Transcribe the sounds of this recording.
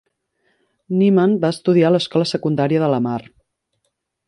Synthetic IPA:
nimanbaəst̪uðialəskɔləsəkund̪aɾiəðələmar

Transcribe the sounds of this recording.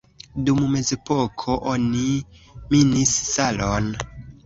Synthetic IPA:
dumme̞zepokʰoʔoniminisːalon

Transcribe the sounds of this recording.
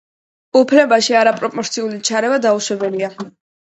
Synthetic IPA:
upʰlɛbaʃiaɾapʼɾɔpʼɔɾt̪sʰiulit͡ʃʰaɾɛvad̪auʃwɛbɛlia

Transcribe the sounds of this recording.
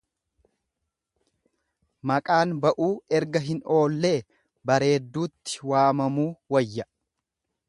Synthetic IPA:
mɐkʼaːnbɐʔuːɛɾɡɐɦɪno̞ːlːe̞ː | bɐɾe̞ːd̪ːuːt̪ːɪ̥waːmɐmuːwɐjːɐ

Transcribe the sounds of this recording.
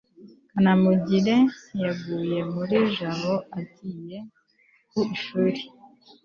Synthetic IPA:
kanamuɟiɾe̞jaɡuːje̞muɾiʒaβo̞atije̞ | kuiʃuːɾe

